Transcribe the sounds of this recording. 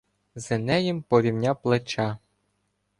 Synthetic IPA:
zenɛjimpɔɾʲiwnʲaplˠet͡ʃɑ

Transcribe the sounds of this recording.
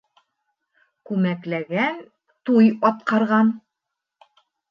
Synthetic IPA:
kʉmæklæɡæn | t̪ujɒt̪̚qɑɾʁɑn

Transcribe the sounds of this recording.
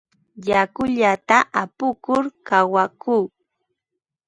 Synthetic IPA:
jakʊʎat̪aʔapʊkʊɾkawakuː

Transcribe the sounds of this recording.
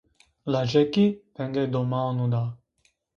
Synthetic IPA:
lad͡ʒɛkipɛŋɡ̪ɛd̪omanud̪a

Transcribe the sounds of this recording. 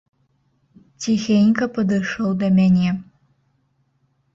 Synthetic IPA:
tʰixʲenʲkʰɐpʰɐd̪ɨʂɐwd̪ɐmʲɛnʲe

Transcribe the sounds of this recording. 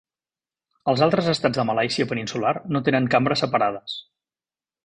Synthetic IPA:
əlˠzalˠt̪ɾəzəst̪ad͡zðəməlajsiəpəninsularnot̪enəŋkambɾəsəpəɾaðəs

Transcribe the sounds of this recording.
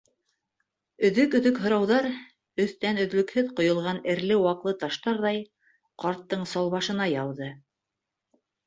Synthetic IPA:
ɵ̆ðɵkɵ̆ðɵkɦŏɾɑwðɑɾ | ɵ̆θt̪ænɵ̆ðlɵ̆khɵðqŏjŏlˠʁɑnɘ̆ɾlɘwɑqlˠɤt̪ɑʃt̪ɑɾðɑj | qɑɾt̪ːɤɴsɑlˠβɑʃɤ̆nɑjɑlˠðɤ

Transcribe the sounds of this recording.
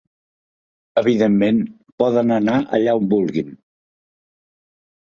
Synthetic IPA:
əβ̞iðemːen | pɔðənənaʔə̰ʎaɔmbulˠɣin

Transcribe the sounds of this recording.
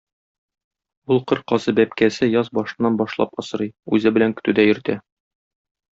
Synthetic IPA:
ulˠqɤɾqɒsɤbæp̚kæsɘjɒzbɒʃɤ̆nːɑnbɒʃlˠɑ̰pɒsɤ̆ɾɤjʉzɘbɘ̆læŋkɵ̥̆t̪ʉd̪æjɵ̆ɾt̪æ

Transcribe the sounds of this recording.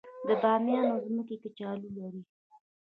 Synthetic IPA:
d̪əbɑmjɑnozməkeket͡ʃɑlulaɾi

